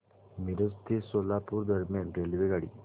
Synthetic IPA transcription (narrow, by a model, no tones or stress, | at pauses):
miɾəst̪ʰisolapuɾd̪əɾmjanɾelʋeɡaɽḭ